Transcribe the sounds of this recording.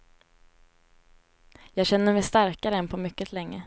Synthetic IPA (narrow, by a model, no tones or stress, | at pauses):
jɑːɡɕɛnːəɾmɛjst̪aɾkaɾəɛnpʰɔmʏkːət̪ʰlɛŋːə